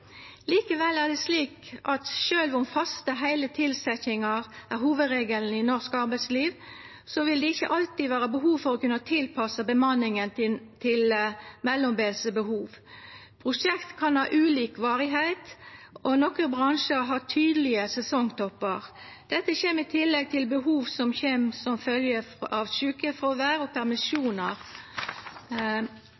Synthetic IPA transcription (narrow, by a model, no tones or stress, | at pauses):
liːkəʋɛlːæʁd̪ɛsliːkʔɑt̪ʃøːlʋʊmfɑst̪əɦæɪlət̪ʰɪlsɛçɪŋɑʁæɾɦuːʋəd̪ɾeːɡəln̩ɪnɔʁskɑɾbæɪsliːʋ | sɔʋɪld̪ɛɪçːə̰ʔɑlt̪iʋæːʁəbəɦuːʋfɔɾɔkʉnət̪ʰɪlpʰɑsəbəmɑnːɪŋənt̪ʰɪlmɛlːɔmbeːlsəbəhuːʋ | pʰɾʊʂɛkt̪kʰɑnhɑːʔʉːliːkʋɑːɾɪɦæɪt̪ɔnɔkəbʁɑŋʃəɾɦɑt̪ʰyːd̪əlɪəsɛsɔŋt̪ʰɔpːəʁ | d̪̥ɛt̪ːəçeːmɪt̪ʰɪlːɛɡ̚t̪ʰɪlbəɦuːʋsɔmçeːmsɔmfœljəɑʋʃʉːkəfɾɔʋæːɾɔpʰæʁmɪsjuːnəʁ